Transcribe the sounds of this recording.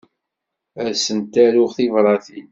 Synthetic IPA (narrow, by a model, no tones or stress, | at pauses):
æɾsənt̪ːæɾʊʁθivɾˤɑθin